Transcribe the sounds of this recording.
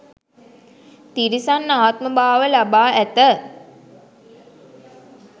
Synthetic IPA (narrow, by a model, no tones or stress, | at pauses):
t̪iɾisanːaːt̪̚məbaːʋəlabaːʔæt̪ə